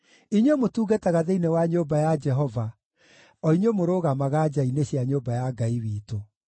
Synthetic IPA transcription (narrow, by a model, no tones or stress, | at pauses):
iɲomotuːɣataɣaðeinewaɲoːbajad͡ʒɛɦɔva | ɔiɲwomoɾoːɣamaɣad͡ʒaineɕjaɲoːbajaɡaiwiːto